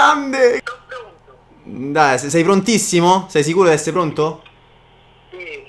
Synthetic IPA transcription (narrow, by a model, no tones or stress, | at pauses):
and̪e | d̪ajssɛjpɾont̪isːimosɛjs̬ikuːɾod̪iɛsːeɾepɾont̪o